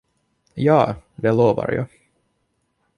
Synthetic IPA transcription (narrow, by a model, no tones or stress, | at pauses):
jɑːd̪ɛloːva̰ɾjɑ̰ː